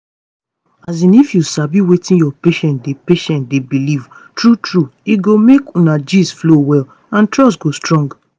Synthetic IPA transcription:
azĩnifjusabiwetĩnjɔpeʃɛ̃ntdepeʃɛ̃ntdebiliv | tɹutɹuiɡomekũnad͡ʒisflowɛl | ãntɹɔs̬tɡostɹɔ̃ŋɡ

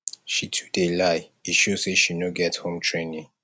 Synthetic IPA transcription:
ʃitʰu̥delaɪiʃoz̥seʃinoɡɛthõmtʰɹẽnĩŋ

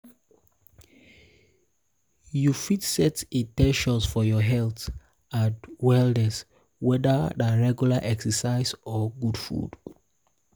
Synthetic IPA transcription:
jufitsɛtĩtɛ̃nʃɔ̃nsfɔjɔɦɛlθ | atwɛldɛs | wɛdədaɹɛɡjulaʔɛksəsaɪsɔɡudfṵd̥

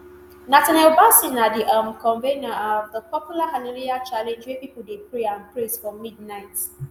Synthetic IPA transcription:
natanɛlbasĩnadiʔamkɔ̃nvenaɔvðəpɔpjulaɦalaliat͡ʃalɛ̃nd͡ʒwepipudepɹeãnpɹẽsfɔmid̚naɪt

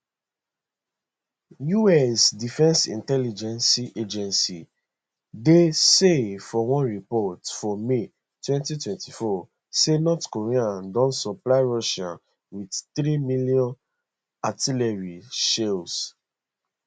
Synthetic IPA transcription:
juɛsdifɛ̃nsḭ̃ntɛlid͡ʒɛ̃nsiʔed͡ʒɛ̃nsḭ | desefɔwɔ̃nɹipɔtfɔme | twɛ̃ntitwɛ̃ntifɔ | senɔtkoɹiãdɔ̃nsɔplaɪɹɔʃã̰n | widθɹimiliɔ̃n | atilɛɹiʃels

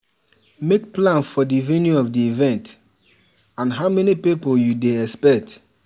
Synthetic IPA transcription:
mek̚plãnfɔdivɛ̃njuɔfdiivɛ̃nt | ãnɦaʊmɛnipipoljudeɛkspɛk̚t

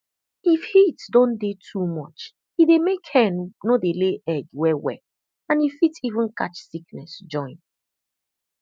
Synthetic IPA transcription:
ifhitdɔ̃ndetʰumɔt͡ʃ | hidemekhɛ̃nnodeleʔɛɡwɛwɛ̰ | ãnifitivũnka̰t͡ʃsiknɛsd͡ʒɔ̃ɪ̃n

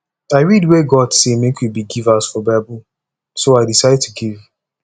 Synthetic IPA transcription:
aɪɹidweɡɔdsemekwibiɡivasfɔbaɪbul | soaɪdisaɪd̚tʰuɡiv

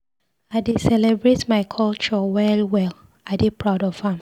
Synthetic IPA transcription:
adisɛlɛbɹetmaɪkʰɔlt͡ʃɔwɛlwɛl | aɪdepʰɹaʊdɔv̥ãm

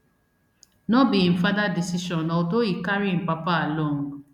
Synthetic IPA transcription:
nɔ̃bĩim̩fadadisiʃɔ̃nɔdoikaɾĩpapaalõũ

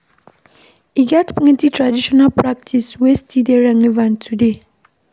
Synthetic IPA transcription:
iɡatpɪŋɪ̃ntitʰɹadiʃɔnalpɾak̚tʰiswestʰideɾãŋivãntʰude

